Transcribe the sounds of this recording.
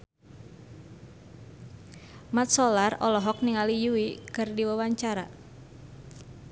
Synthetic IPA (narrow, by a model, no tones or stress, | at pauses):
mat̪̚sɔlarɔlɔɦɔk̚niŋalijuikɨrdiwawaɲt͡ʃaɾa